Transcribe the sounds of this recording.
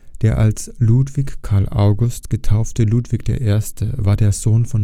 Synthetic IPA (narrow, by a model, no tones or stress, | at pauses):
d̥eːɐʔa̰lsluːtv̥içkʰaɐlʔa̰ʊɡʊstɡ̥ətʰaʊftəluːtv̥ɪçd̥ḛːɐʔeːɐstʰəvaːɐdeːɐz̥oːnfɔn